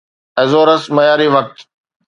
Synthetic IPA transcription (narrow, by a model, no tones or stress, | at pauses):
ɐzoːɾəsmɐjaːɾiʋɐk̚t̪